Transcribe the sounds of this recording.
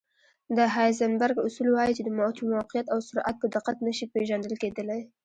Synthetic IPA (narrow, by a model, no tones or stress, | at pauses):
d̪əɦajzambaɾɡʊsulwɑjit͡ʃed̪əmawt̪ʰumawqɪjat̪awsʊɾʔa̰t̪̚pəd̪ɪqat̪nəʃipeʒand̪əlked̪əlaj